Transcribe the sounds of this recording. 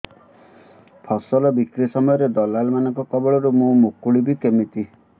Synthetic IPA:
pʰɔsɔlɔbikɾisɔmɔjɔɾed̪ɔlalmanɔŋkɔkɔbɔɭɔɾumũmukuɭibikemit̪i

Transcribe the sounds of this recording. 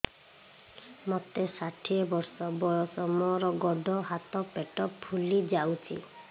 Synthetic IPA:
mɔt̪esaʈʰiebɔɾsɔbɔjɔsɔmɔɾɔɡɔɖɔɦat̪ɔpeʈɔppʰːulid͡ʒawt͡ʃʰḭ

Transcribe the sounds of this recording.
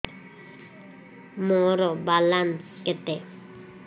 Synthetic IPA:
mɔɾɔbalanket̪e

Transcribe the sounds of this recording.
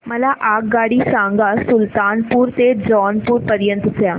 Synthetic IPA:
mɐlaʔaːk̚ɡaːɽisãːŋɡasʊlt̪aːnpuːɾt̪ed͡ʒɔːnpuːɾpəɾjə̃nt̪sjaː

